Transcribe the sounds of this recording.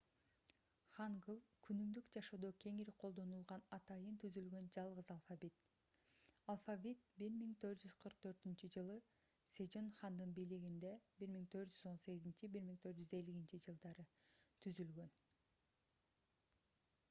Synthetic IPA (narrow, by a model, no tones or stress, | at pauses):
χɑŋɡɯlˠkʰynymd̪ykd͡ʒɑʃod̪oːkʲʰe̞ŋiɾiqʰolˠd̪o̞nulˠʁɑnɑt̪ɑjɯnt̪ʰyzylɡø̞nd͡ʒɑlˠʁɯzɑlˠfavʲit̪ | ɑlˠfavʲit̪̚biɾmiŋt̪ʰø̞ɾt̪d͡ʒyz̥qʰɯɾq̚t̪ʰø̞ɾt̪ynt͡ʃyd͡ʒɯlˠɯ | sed͡ʒo̞nχɑnd̪ɯnbiːliɡind̪e̞biɾmiŋt̪ʰø̞ɾt̪d͡ʒyzo̞nse̞ɡizint͡ʃibiɾmiŋt̪ʰø̞ɾt̪d͡ʒyze̞liɡint͡ʃid͡ʒɯlˠd̪ɑɾɯt̪ʰyzylɡø̞n